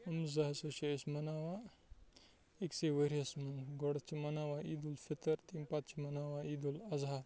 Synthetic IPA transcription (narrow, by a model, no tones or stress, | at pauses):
ɐmzɐɦɐsɐʃeɐsmɐnaːʋa | ekseʋəɾiɐsmɐnɡɔɽɐt͡ʃʰimɐnaːʋaid̪ulfit̪ɐɾt̪impat̪t͡ʃʰimɐnaːʋaiːd̪ulɐzaːt̪